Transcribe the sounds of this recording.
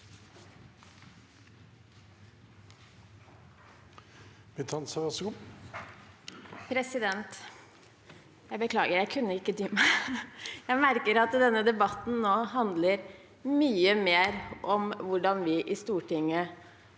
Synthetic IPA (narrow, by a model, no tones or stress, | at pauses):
mɪt̪ʰɑnsɑʋɑsɡʊ | pʰɾɛsɪd̪ɛnt̪ | jæɪbəkʰlɑːɡəɾjæɪkʰʉnːəɪkːət̪ʰyːmæɪ | jæɪmæɾkəɾɑt̪d̪ɛnːəd̪ɛbɑt̪n̩noːɦɑnd̪ləɾ | myːəmeːɾʔɔmʋʊɖɑnʋɪʔɪst̪uːʈɪŋə